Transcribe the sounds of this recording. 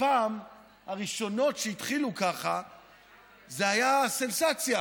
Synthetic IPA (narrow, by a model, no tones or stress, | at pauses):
paːm | haʁiʃo̞no̞tʃeit̪χilukaχa | zeajase̞nsat͡sja